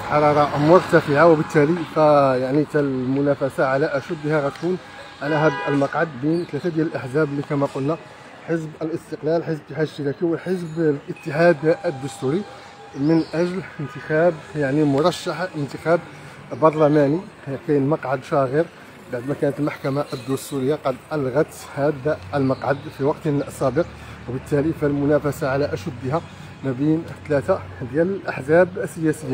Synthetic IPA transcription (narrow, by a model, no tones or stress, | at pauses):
ħɑɾˤɑɾˤɑmʊɾt̪æfəʕawəbət̪ːælifæjaʕnit̪ælmʊnæfæsaʕalæʔæʃub̪ːihæɾˤɑt̪kun | ʔænæɦæd̪əlmɑqʕad̪bint̪ːæt̪æd̪jælʔaħzæblːikæmæqʊlnæ | ħəsbəlʔəst̪əqlælħəsbət̪ːəħad̪əʃt̪əɾækiwəlħəs̬blʔət̪ːəħad̪ʔəd̪ːʊst̪uɾi | mənʔæʒlənt̪əxæbjaʕnimʊɾˤɑʃːaħənt̪əxæb | bɑɾˤlæmæni | kæjənmɑqʕad̪ʃɑɣəɾ | baʕd̪mækænət̪əlmaħkæmaʔəd̪ːʊst̪uɾəjːaqɑd̪ʔɑlɣɑt̪ | hæd̪aʔəlmɑqʕad̪fiwɑqt̪əlʔɑsˤæbəq | wbət̪ːælifælmʊnæfæsaʕalæʔæʃəd̪ːəɦæ | mæbint̪læt̪ad̪jæləlʔaħzæbəsːəjæsəjːa